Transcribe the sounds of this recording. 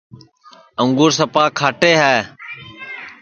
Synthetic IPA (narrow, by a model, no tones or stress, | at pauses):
ə̃ŋɡuːɾsəpaːkʰaːʈeːɦaː